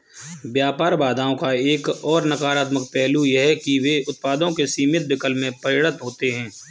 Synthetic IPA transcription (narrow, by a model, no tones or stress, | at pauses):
bjaːpaːɾbaːd̪ʱaːõkaeːkɔːɾnəkaːɾaːt̪mək̚pɛːlujɐɦkiʋeʊt̪̚paːd̪õkesiːmɪt̪̚bɪkəlmẽpɐɾɪɽət̪ɦoːt̪eɦɛ̃ː